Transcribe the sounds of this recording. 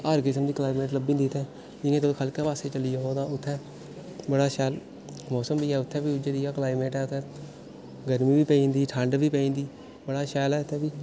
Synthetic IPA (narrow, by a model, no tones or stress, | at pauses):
əɾkɪsəmd̪iːklaːimeːʈləbiːnd̪iːt̪ʰɛː | d͡ʒɪnẽːt̪okʰəlkɛːpaːseːt͡ʃəliːaoːt̪ãːʊt̪ʰːɛ̃ː | bəɽaːʃɛːl | mɔːsəmbiːɛːʊt̪ʰːɛːbiːd͡ʒeːd̪iːjaːklaːimeːʈɛːʊt̪ʰːɛ̃ː | ɡəɾmĩːbiːpɛĩːnd̪iːʈʰə̃ɳɖʋiːpeĩːnd̪iː | bəɽaːʃɛːlɛːʊt̪ʰːɛ̃ːbiː